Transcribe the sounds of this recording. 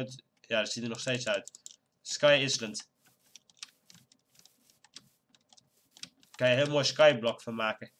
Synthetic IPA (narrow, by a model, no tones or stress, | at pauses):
t | jadətsitənɔχsteːtsœɥt | skajislənt | kanjəɦɪəlˠmoːjskajblɔkfɔnmaːkə